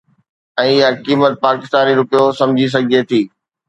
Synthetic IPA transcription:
ɛ̃ːɪakiːmət̪̚paːkɪst̪aːniɾʊpijosɐ̃md͡ʑʱis̬ɐɡʱiet̪ʰiː

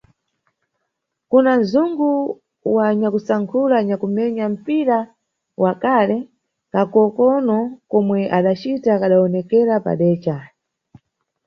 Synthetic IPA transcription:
kunanzuŋɡu | waɲakusaŋkʰulaɲakumɛɲam̩piɾa | wʔakalɛ | kakɔkɔnɔkɔmwɛʔaɗat͡ʃitakaɗaɔnɛkɛɾapa̰ɗɛːt͡ʃa

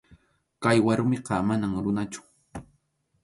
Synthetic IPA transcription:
kajwaɾʊmɪqɑmanaŋɾʊnat͡ʃʊ̥

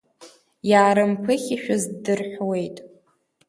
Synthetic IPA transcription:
jaːɾɨmpʷʰɨχʲiʃᶣazdɨrħʷwe̞jtʼ

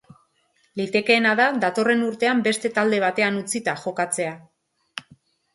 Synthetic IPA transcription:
lit̪e̞ke̞ːnaðaðat̪o̞re̞nuɾt̪e̞ambe̞st̪e̞t̪ald̪e̞β̞at̪e̞anut͡sit̪aʝo̞kat͡se̞a

